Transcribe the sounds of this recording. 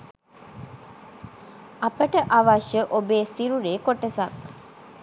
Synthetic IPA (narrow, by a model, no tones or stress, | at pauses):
ɐpɐʈəʔɐʋɐʃjəʔobeːsiɾuɾeːkoʈːesɐk